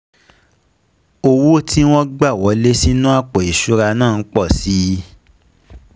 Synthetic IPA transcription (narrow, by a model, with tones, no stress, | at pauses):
o˧wo˦ti˦w̃ɔ̃˦ɡ͡ba˦˨wɔ˨˦le˦si˦nũ˦a˦˨k͡pɔ˨i˨ʃu˨˦ɾa˧nãː˦˨˦k͡pɔ˦˨si˦